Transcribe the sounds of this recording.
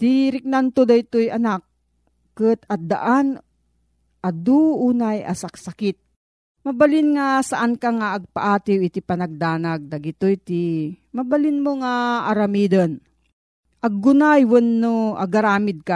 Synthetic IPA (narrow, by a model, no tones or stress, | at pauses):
t̪iɾɪk̚nant̪od̪ajt̪ojɐnak̚ː | ɨt̪ɐd̪a̰ʔan | ʔad̪uʔuːnaja̰saksakɪt̪̚ | mɐbalɪnŋasaʔankaŋaːɡ̚paʔaːt̪ɪwɪt̪ipɐnaɡ̚d̪aːnaɡ̚d̪ɐɡɪt̪ojt̪i | mɐbalinmoŋaːɾɐmiːd̪ən | ʔɐɡːʊnajwənːoʔa̰ɡaɾaːmɪd̪̚ka